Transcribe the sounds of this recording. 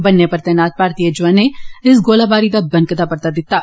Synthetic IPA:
bɐnːepɐɾt̪ɛːnaːt̪̚paːɾt̪ijəd͡ʒʋanːeɪsɡoːlabaːɾit̪ɐbɐ̃nkət̪apɐɾt̪ad̪ɪt̪ːaː

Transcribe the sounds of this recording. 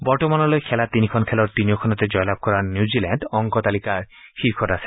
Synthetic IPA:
bɔɹtɔmanɔlojkʰɛlat̪inikʰɔnkʰɛlɔɹt̪inijokʰɔnɔtɛd͡ʑɔjlab̚kɔɹanjuzilɛndɔŋkɔt̪alikaɹ | xiɹkʰɔtasɛ̥

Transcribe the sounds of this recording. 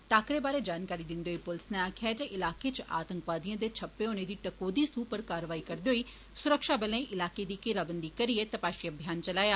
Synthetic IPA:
ʈaːkɾeːbaːɾeːd͡ʒaːnkaːɾiːd̪ɪnd̪eːoiːpʊlsneaːkʰɪjaːd͡ʒeʔɪlaːkeːt͡ʃa̰ːt̪ə̃ŋkʋaːd̪ijãːd̪eːt͡ʃʰəpːeːoːneːd̪iːʈəkoːd̪iːsuːpəɾkaːɾəʋaːiːkəɾd̪eɦoːiː | sʊɾəkʃaːbəlẽːʔɪlaːkeːd̪iːkɪɾaːbənd̪iːkəɾɪeːt̪əpaːʃiəbʱjaːnt͡ʃəlaːjaː

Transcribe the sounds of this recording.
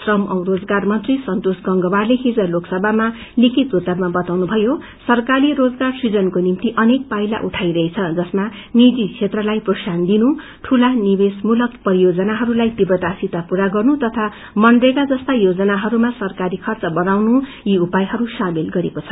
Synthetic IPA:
srʌmʔʌ̰wrod͡zɡarmʌnt̪risʌnt̪osɡʌŋɡʌwarleɦid͡zʌloksʌbʱama | likʰit̪ut̪ːʌrmabʌt̪awnubʱʌjo | sʌrkaɾiɾod͡zɡarsid͡zʌnkonimt̪iʔʌnek̚pajla̰ʔuʈʰajɾʌɦet͡sʰʌd͡zʌsma | nid͡zit͡sʰet̪rʌlajprosand̪inu | ʈʰulanibesmulʌkpʌɾijod͡zʌnaɦʌɾulajt̪ibrʌd̪asit̪apuɾaɡʌrnut̪ʌt̪ʰa | mʌnɖrekad͡zʌst̪ajod͡zʌnaɦʌɾumasʌrkaɾikʰʌrt͡sʌbʌnawnujiupajɦʌɾusamilɡʌɾekot͡sʰʌ

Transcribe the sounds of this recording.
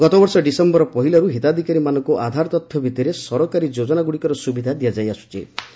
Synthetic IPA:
ɡɔt̪ɔbɔɾsɔɖisembɔɾɔpɔɦilaɾuɦit̪ad̪ʱikaɾimanɔŋkuʔad̪ʱaɾɔt̪ɔt̪ʰjɔbʱit̪iɾesɔɾɔkaɾid͡ʒod͡ʒɔnaɡuɽikɔɾɔsubid̪ʱad̪ijad͡ʒajasu̥t͡ʃʰi

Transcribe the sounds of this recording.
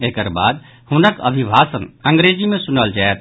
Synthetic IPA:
ekəɾba̰d̪ | hunəkə̰bʱibʱasənəŋɡɾed͡ʒimẽsunəld͡ʒaɛt̪̚

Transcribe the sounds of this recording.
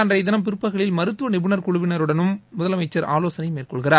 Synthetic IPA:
ɐndrɐɪðɐnɐmp̬ɪɾɯpːɐɣɐɭɪlmɐɾɯt̪ːɯʋɐnɪbɯnɐɾkʊɭʊʋɪnɐɾɯɽɐnɯmːʊðɐlɐmɐɪt͡ʃːɐɾa̰ːloːsɐnɐɪmeːrkɔɭɣɪɾaːɾ

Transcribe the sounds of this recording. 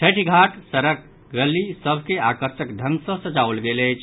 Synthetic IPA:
ʈʰəʈʰiɡʱaʈsəɾək̚ | ɡəlːisəbʱkeakəɾsəkd̪ʱənsə̃sət͡ʃaulɡelɛt͡ʃʰ

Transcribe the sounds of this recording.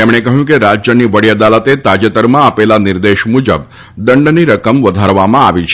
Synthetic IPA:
emɳ̃ekəɦjũkeɾad͡ʒjəniʋəɽiəd̪alət̪et̪ad͡ʒət̪əɾmãːpelanɪɾd̪eʃmud͡ʒəb | d̪əɳɖniɾəkəmʋəd̪ʱaɾʋamãaʋit͡ʃʰ

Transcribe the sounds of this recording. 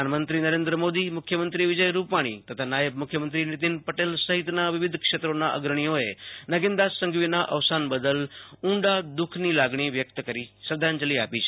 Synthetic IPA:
anmənt̪ɾinəɾẽnd̪ɾəmod̪imʊkʰjəmənt̪ɾiʋɪd͡ʒəjɾupaɽ̃ḭt̪ət̪ʰanajəb̚mʊkʰjəmə̃nt̪ɾinɪt̪inpəʈelsəɦɪt̪naʋɪʋɪd̪ʱkʂet̪ɾonaʔə̰ɡɾəɽ̃ijoenəɡẽnd̪asəŋɡʋinaʔɐʋsanbəd̪əlʊ̃ɳɖad̪ʊkʰnilaɡɳ̃iʋjək̚t̪kəɾisəɾd̪ʱand͡ʒəliapit͡ʃʰ

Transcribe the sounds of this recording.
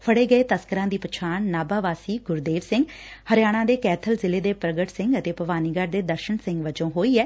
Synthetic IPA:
pʰəɽeːɡəeːt̪əskəɾãːd̪iːpət͡ʃʰaːnːaːbaːʋaːsiːɡʊɾd̪eːʋsɪ̃ŋɡ | həɾjaːɽ̃ãːd̪eːkɛːt̪ʰəlzɪleːd̪eːpɾəɡəʈsɪ̃ŋɡət̪eːpəʋaːniːɡəɾd̪eːd̪əɾʃənsɪ̃ŋɡʋəd͡ʒõːɦoːiːɛː

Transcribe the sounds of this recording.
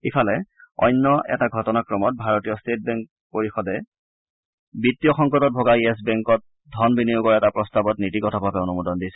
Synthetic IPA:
ipʰalɛɔ̰jnːɔʔɛ̰taɡʱɔtɔnakɹɔmɔt̚bʱaɹotijɔstet̚bɛŋk | poɹixɔdɛ | bitːijɔxɔŋkɔtɔt̚bʱoɡaiɛs̬bɛŋkɔt̚ | dʱɔnbinijʊɡɔɹɛtapɹɔstabɔtnitikɔtʰɔbʱabɛonumudɔndisɛ

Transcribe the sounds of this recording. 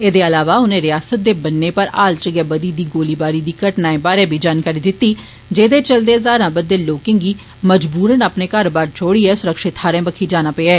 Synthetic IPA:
eːd̪eːəlaːʋaːʊnẽːɾɪjaːsət̪̚d̪eːbənːeːpəɾa̰ːlt͡ʃəɡaːbəd̪iːd̪iːɡoːliːbaːɾiːd̪iːkəʈnaːẽːbaːɾeːbʱiːd͡ʒaːnkaːɾiːd̪ɪt̪ːiː | d͡ʒeːd̪eːt͡ʃəld̪eːzaːɾãːbəd̪ːeːloːkɪ̃ŋɡiː | məd͡ʒbuːɾənaːpneːkaɾːbaːɾt͡ʃʰoːɽiːɛːsʊɾəkʃɪt̪aːɾẽːbəkʰiːd͡ʒaːnaːpeaɛː

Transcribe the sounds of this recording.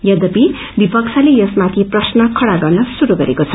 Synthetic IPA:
jʌd̪ʌpi | bipʌk̚t͡sʰʌlejʌsmat̪ʰiprʌsnʌkʰʌɽaɡʌrnʌsuɾuɡʌɾḛkot͡sʰʌ

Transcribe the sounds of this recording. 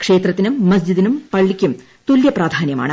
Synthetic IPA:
kʂe̞ːt̪rɐt̪ːinumːɐs̬d͡ʑid̪inumpɐɭːikʲːum | t̪uljɐpraːd̪ʱaːnjɐma̰ːɳɨ

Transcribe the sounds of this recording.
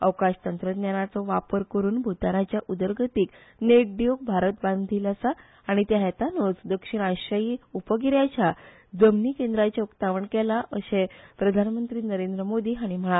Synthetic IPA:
əʋkaɕt̪ənt̪ɾəd̪njanat͡sɔʋapəɾkəɾuːnbʱut̪anat͡ɕjaʔud̪əɾɡʱət̪iːk | neʈ̚ɖijok̚bʱaɾət̪̚bãnd̪ʱiːlasaː | ɽ̃it̪jaɦɛt̪anot͡sd̪əkʂiɳ̃ajɕəjiupəɡiɾjat͡ɕa | d͡zəmniːkẽnd̪ɾat͡ɕaukt̪aʋəɳkɛlaʔəɕepɾəd̪ʱanmənt̪ɾiːnəɾend̪ɾəmod̪iːɦaɽ̃im̤əɭa

